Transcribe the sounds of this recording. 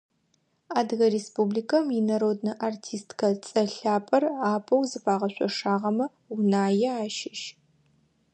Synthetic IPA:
aːdɣɐɾespubliːkʰɐmjinɐɾoːdnɨʔartʰiːstʰkʰɐt͡sʼɐɬaːpʼɐraːpʰʼɐwzɨpʰaːʁɐɕʷʼɔ̰ʂaːʁɐmɐ | unaːjɛaːʃɪʃ

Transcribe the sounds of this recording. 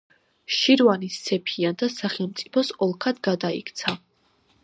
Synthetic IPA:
ʃiɾvanisːɛpʰiand̪asaχɛlˠmt̪sʼi̥pʰɔsɔlˠkʰad̪ɡad̪aḭkʰt̪sʰa

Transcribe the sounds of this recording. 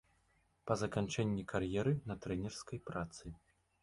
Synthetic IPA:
pɐzɐkant͡ʂɛnʲːikʰarjɛɾɨnɐt̪ɾɛnʲɛrskɐjpɾat̪sɨ

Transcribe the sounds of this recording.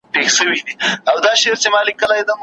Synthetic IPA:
ʈexʃəwid̪iawd̪ɑʃeɾt͡ʃemalikːəlajd̪am

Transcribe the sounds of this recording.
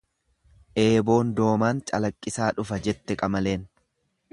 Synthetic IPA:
ʔe̞ːbo̞ːnd̪o̞ːmaːnt͡ʃʼɐlɐkʼːɪsaːᶑʊfɐd͡ʒɛt̪ːɛkʼɐmɐle̞ːn

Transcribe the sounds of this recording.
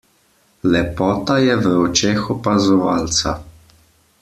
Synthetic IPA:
lɛpɔːt̪ajɛʋəɔt͡ʃexɔpazɔʋaːlt̪sa̰

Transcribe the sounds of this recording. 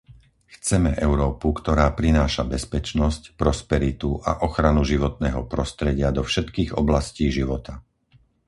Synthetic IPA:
xt͡sɛmɛʔɛʊɾɔːpukt̪ɔɾaːpɾinaːʃabɛspɛt͡ʃnɔscpɾɔspɛɾit̪uʔa̰ʔɔxɾanuʒiʋɔt̪̚nɛːɦɔpɾɔst̪ɾɛɟɪad̪ɔfʃɛt̪kiːɣɔ̰blasciːʒiʋɔt̪a

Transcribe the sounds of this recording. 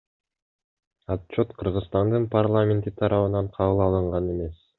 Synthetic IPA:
att͡ʃːo̞t̪qʰɯɾʁɯzst̪ɑnd̪ɯnpʰarlˠamʲe̞nt̪it̪ʰɑɾɑβɯnɑɴqʰɑβɯlˠɑlˠɯɴʁɑne̞me̞s

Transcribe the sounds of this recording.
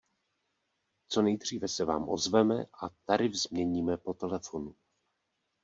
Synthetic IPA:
t͡so̞nɛjd̪r̝iːvɛsɛva̰ːmʔo̞̰zvɛmɛ̰ʔat̪aɾɪvzmɲɛɲiːmɛpo̞t̪ɛlɛfo̞nu

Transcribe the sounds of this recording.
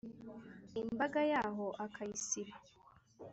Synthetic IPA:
imbaɡajaːɦoʔakʰaisiɾa

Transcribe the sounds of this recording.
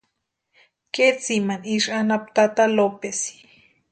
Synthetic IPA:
ket͡simaniʃanap̚t̪at̪alopesi̥

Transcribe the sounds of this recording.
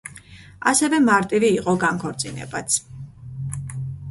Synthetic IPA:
asɛvɛmaɾt̪ʼiviːqʼɔɡaŋkʰɔɾt̪sʼinɛ̰bat̪sʰ

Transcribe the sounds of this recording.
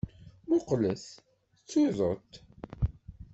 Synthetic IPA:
mʊqləs | t͡sːuðˤət̪

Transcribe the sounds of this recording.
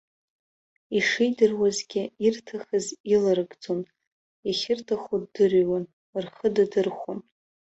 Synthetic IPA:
iʂijdɨrwazɡʲɪirtʰaχazilaɾɨɡd͡zon | iχʲɪrtʰaχuddɨrwan | ɨrχədadɨrχʷʊn

